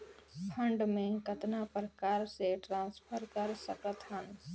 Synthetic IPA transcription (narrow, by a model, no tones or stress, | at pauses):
pʰə̃ɳɖmẽkət̪napəɾkaːɾseʈɾãːspʰəɾkɐɾsəkət̪ʰɦən